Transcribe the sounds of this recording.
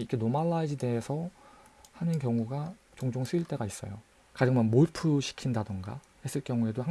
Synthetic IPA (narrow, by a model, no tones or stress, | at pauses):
ikʰenomaɭːaid͡ʑede̞ɦesʰʌ | hanɯnkjʌŋuɡa | t͡ɕoŋd͡ʑoŋsʰɯiɭt͈e̞ɡais͈ʌ̰jo̰ | kad͡ʑɯŋmʌnmoɭpʰuɕʰi̥kʰindadɯŋɡa̰ | he̞s͈ɯɭk͈jʌŋue̞doha